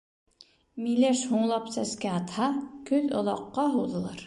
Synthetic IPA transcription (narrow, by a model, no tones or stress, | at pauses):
milæʃhuɴlˠɑpsæskæɑt̪hɑkɵlŏlˠɑqːɑɦŏwðɤ̆lˠɑɾ